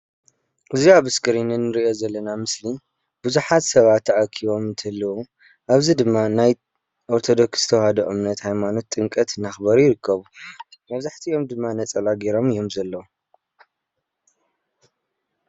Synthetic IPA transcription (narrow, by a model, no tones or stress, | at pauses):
ʔɨziaβɨskʰɨɾinɨnːɨɾiʔo̞zɐlːɐnamɨsli | b̥ɨzuħat̪sɐβat̪ʰːɐʔakʰiβo̞mɨnt̪ʰɐlːɐwu | ʔaβzid̪ɨmːanaj | ʔoɾt̪ʰo̞d̪o̞ksst̪ʰɐwhɐd̪oʔɨmnɐt̪hajmano̞t̪ʼːɨŋkʼɐt̪naxbɐɾjɪɾɨkʰːɐβumɐβzaħt̪ʰiʔo̞md̪ɨmːanɐt͡sʼɐlaɡeɾo̞mɨjo̞mzɐlːɐwu